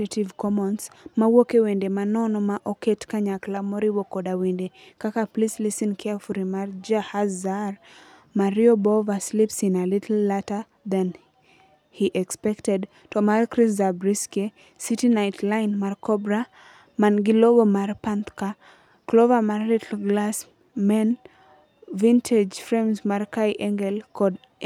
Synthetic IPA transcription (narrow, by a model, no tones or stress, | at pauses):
ativkɔmɔnsmawokewendemanɔnɔmaʔɔketkaɲaklamɔɾiwokɔdawendekakaplislisinkʰɛfuɾimard͡ʒahazar | maɾiobɔvaslipsinalɪtʰl̩ːata | d̪an | hiʔɛkspɛktɛd | tʰɔmaskɹiszabɹiske | sitinajtʰlãɪnmaɹkʰɔbɹa | mãnɡilobomaɾpãnt̪ka | klovamaɾitʰɡlas | mɛn | vĩntʰed͡ʒfɹɛ̃mzmaɹkajʔɛ̃ŋɡɛlkʰɔd